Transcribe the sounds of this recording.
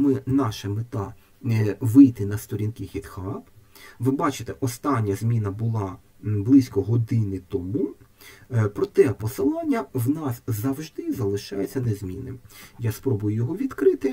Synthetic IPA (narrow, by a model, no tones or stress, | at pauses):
mɪnɑʃɛmɪt̪ɑ | ʋɪjt̪ɪnɐst̪ɔɾʲinkɪxʲid̪xɑpʋɪbɑt͡ʃɪ̥t̪ɛʔɔst̪ɑnʲːɐzʲmʲinɐbʊlˠɑ | blˠɪsʲkɔɦɔd̪ɪnɪt̪ɔmu | pɾɔt̪ɛpɔsɪlˠɑnʲːɐwnɑszɐwʒd̪ɪzɐlˠɪʃɑjʊt͡sʲːɐnɛzʲmʲinɪ̰jaspɾɔbʊjʊjɔɦɔʋʲid̪kɾɪt̪ɪ